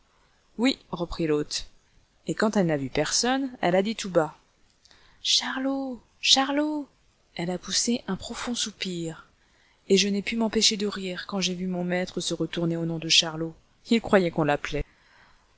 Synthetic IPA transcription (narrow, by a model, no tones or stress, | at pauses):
wiʁəpχilot̪ | ekɑ̃t̪ɛlnavypɛʁsɔnɛ̰lad̪it̪uba | ʃaʁlo | ʃaʁlo | ɛlapuseʔɛ̃pχɔfɔ̃supiʁ | eʒənɛpymɑ̃peʃed̪əʁiʁkɑ̃ʒevymɔ̃mɛt̪χəsəʁət̪uʁneonɔ̃d̪əʃaʁlo | ilkχwajɛkɔ̃laplɛ